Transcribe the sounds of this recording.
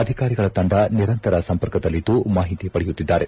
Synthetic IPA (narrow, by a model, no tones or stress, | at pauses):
ɐd̪ʱikaːɾiɡɐɭɐt̪ɐɳɖɐniɾɐnt̪ɐɾɐsɐmpɐɾkɐd̪ɐlːid̪ːumaːɦit̪ipɐɽɛjut̪ːid̪ːaːɾe